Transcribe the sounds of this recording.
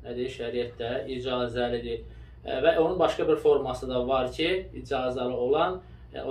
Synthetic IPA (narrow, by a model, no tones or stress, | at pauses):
næd̪iiʃæɾijæt̪d̪æid͡ʒɑzlælid̪i | væʔo̞nunbɑʃkɑbiɾfo̞ɾmɑsɯd̪ɑvɑɾcʰiid͡ʒɑzlælɯo̞lˠɑn | o